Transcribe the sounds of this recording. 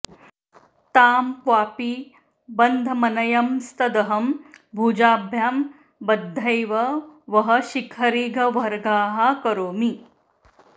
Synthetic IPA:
t̪aːmkʋaːpi | bɐnd̪ʱɐmɐnɐjɐmst̪ɐd̪ɐɦɐmbʱuːd͡ʒaːbʱjaːm | bɐd̪ʱːɐjʋɐʋɐɦɐ̆ʃikʰɐɾiːɡʱɐʋɐɾɡaːɦakɐɾoːmi

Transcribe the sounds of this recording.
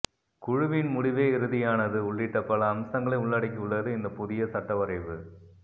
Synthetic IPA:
kʊɻʊʋɪnmʊɽɪʋeːɪɾɯðɪjaːnɐðɯʊɭːɪʈːɐpːɐɭɐːmsɐŋɡɐɭɐɪʊɭːɐɽɪk̬ʲːʊɭːɐðɯɪnd̪ɐpʊðɪjɐsɐʈːɐʋɐɾɐɪʋɯ

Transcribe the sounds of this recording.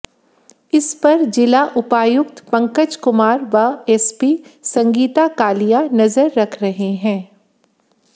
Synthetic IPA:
ɪspɐɾd͡ʒɪlaʔʊpaːjʊkt̪pɐ̃ŋkəd͡ʒkʊmaːɾʋaɛːspiːsɐ̃ŋɡiːt̪akaːlijanɐzəɾːɐkʰɾɐɦeɦɛ̃ː

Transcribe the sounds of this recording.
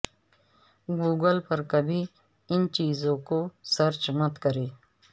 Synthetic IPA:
ɡuːɡəlpɐɾkɐbʱi | ɪnt͡ʃiːzõkosɐɾt͡ʃmɐt̪kɐɾeː

